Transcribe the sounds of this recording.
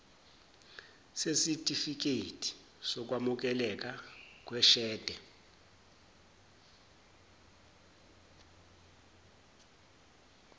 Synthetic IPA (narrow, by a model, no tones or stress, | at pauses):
sesitʼifik̬eitʰʼi̥ | sɔk̬ʼwamuk̬ɛlɛk̬ʼak̬ʼwɛʃɛːd̥ʱɛ